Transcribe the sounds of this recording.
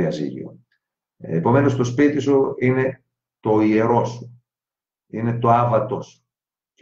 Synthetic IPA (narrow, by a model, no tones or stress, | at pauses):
iɐzḭlḭo̰ | epo̞me̞no̞st̪o̞spit̪isuine̞ | t̪o̞ie̞ɾo̞su̥ | ine̞t̪o̞ɐvɐt̪os